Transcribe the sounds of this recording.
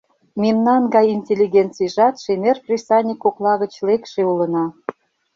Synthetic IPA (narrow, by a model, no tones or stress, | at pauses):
mimnɑnɡɑjinʲtʲelʲːiɣʲent͡sijʒɑt̪ʃemerprʲisɑnʲikːoklˠɑɣə̆t͡ɕlekʃeulə̆nɑ